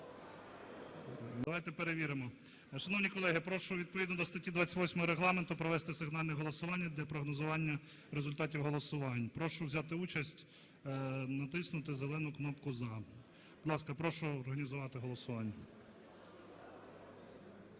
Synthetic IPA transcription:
d̪ɐʋajt̪ɛpeɾeʋʲiɾemɔ | ʃɐnɔwnʲikɔlˠɛɦɪpɾɔʃʊʋʲid̪̚pɔʋʲid̪nɔd̪ɔst̪ɐtʲid̪ʋɑtt͡sʲɐ̥tʲʋɔsʲmɔɦɔɾeɦlˠɑment̪ʊpɾɔʋɛst̪ɪsɪɦnɑlʲnɛɦɔlˠɔsʊʋɑnʲːɐd̪lʲɐpɾɔɦnɔzʊʋɑnʲːɐ | ɾezʊlʲt̪ɑtʲiwɦɔlˠɔsʊʋɑnʲpɾɔʃʊwzʲɑt̪ɪut͡ʃɐsʲtʲ | nɐt̪ɪsnʊt̪ɪzelˠɛnʊknɔpkʊzɐ | bʊd̪lˠɑskɐpɾɔʃʊːrɦɐnʲizʊʋɑt̪ɪɦɔlˠɔsʊʋɑnʲːɐ

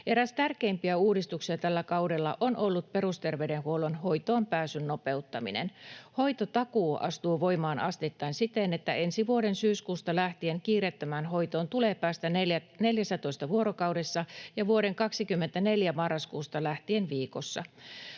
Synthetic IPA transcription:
ʔeɾæst̪ærkeimpiæuːdist̪uksiɑt̪ælːækɑudelːɑ̰ʔonʔolːut̪̚perust̪erʋeydenhuolonhoit̪oːmpæːsynːopeut̪ːɑmḭnḛnhoit̪ot̪ɑkuːʔɑ̰st̪uːʋoimɑːnɑst̪et̪ːɑinsit̪enet̪ːæensiʋuoɾensyːskuːst̪ɑlæht̪ieŋkiːret̪ːæmæːnɦoit̪oːnt̪uleːpæːst̪ææneljæsæt̪oist̪ɑʋuoɾokɑwdesːɑjɑʋuoɾeŋkɑksikymːent̪æneljæmɑrːɑskuːst̪ɑlæht̪ienʋiːkosːɑ̰

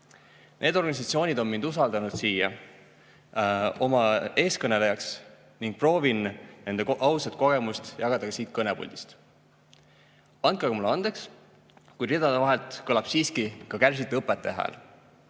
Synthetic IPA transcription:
nʔe̞ːd̪o̞rɡɑnisɑt̪sio̞ːnʲid̪o̞nmmind̪usɑld̪̥ɑnud̪̥siːjɑ | o̞mɑe̞ːskɤne̞lejɑks | niŋɡ̥̚pro̞ːvinne̞nd̪eɑwsɑt̪̚ˑko̞ɡe̞must̪jɑɡ̥ɑd̪ɑkɑsiːt̪̚kɤnepṵlʲd̪̥i̥st̪ | ɑn̚kɑɡɑmulɑnd̪̥e̞ks | kujrid̪ɑd̪evɑɦelt̪kɤlɑb̥siːskikɑkærs̬it̪ɤpːˑet̪ːˑe̞ɦæ̰ːl

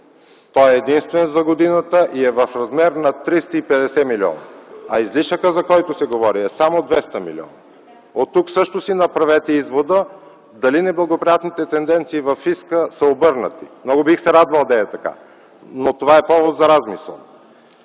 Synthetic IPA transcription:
t̪ɔɛːd̪inst̪vɛnzɐɡod̪inət̪əʔiɛvəfɾɐzmɛɾnɐt̪ɾist̪əipɛd̪ɛsɛmiliɔ̰nɐ̰ɐizliʃəkəzɐkɔjt̪ʊsɛɡovɔɾiɛsamod̪vɛst̪əmḭlḭɔ̰nə | ot̪ːuksɤʃt̪osinɐpɾɐvɛt̪ɛizvod̪ə | d̪ɐlinɛblˠɐɡopɾijat̪nit̪ɛt̪ɛnd̪ɛnt̪siːvɐfːiskəsəobɤɾnət̪imnɔɡobixsɛɾad̪vəlˠd̪ɐɛt̪ɐka̰ | not̪ovaɛpɔvot̪zɐɾazmisə̰lˠ

